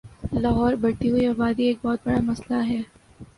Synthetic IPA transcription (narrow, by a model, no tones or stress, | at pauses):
lɐɦɔːɾbɐɽʈ̪iɦʊiɔbaːd̪ieːk̚bɔːt̪̚bɐɽamɐslaɦɛː